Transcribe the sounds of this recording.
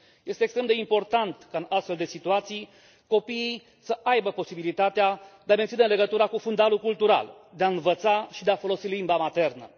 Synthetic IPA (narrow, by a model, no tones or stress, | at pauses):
je̞st̪eːkst̪ɾemd̪e̞impo̞rt̪ant̪kaɨnast̪fe̞ld̪e̞sit̪uat̪sij | ko̞pijij | səʔajbəpo̞sibilit̪at̪ead̪̥eame̞nt̪inəɨnle̞ɡət̪uɾakufund̪alukult̪uɾa̰ld̪eaɨnvət̪saʃid̪eafo̞lo̞silimbamat̪e̞rnə̰